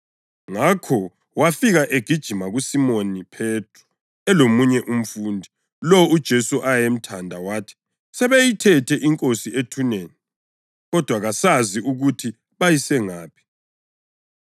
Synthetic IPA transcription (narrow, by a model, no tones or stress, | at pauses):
ŋakʰɔ | wafiɣaʔeɡ̥ʱid̥ʒ̥ʱimaɣusimonipʰetʰʼrɔ | ɛlomuɲɛʔum̩fuːndʱi | lɔud̥ʒ̥ʱesuʔajem̩tʰandʱawaːtʰi̥ | sɛβejitʰɛtʰɛʔiŋkʼosiʔetʰuneːni | ɣɔd̥ʱwaɣasaziʔuɣutʰi | βajisɛŋaːpʰi̥